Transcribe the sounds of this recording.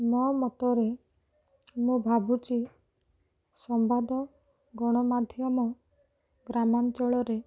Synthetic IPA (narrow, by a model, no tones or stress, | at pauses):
mɔmɔt̪ɔɾe | mũbʱabut͡ʃi | sɔmbad̪ɔ | ɡɔɽ̃ɔmad̪ʱjɔmɔ | ɡɾamant͡ʃɔɭɔɾe